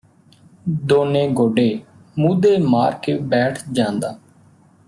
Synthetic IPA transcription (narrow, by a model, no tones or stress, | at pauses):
d̪oːneːɡoːɖeː | mũːd̪eːmaːɾkeːbɛːʈʰd͡ʒãːnd̪aː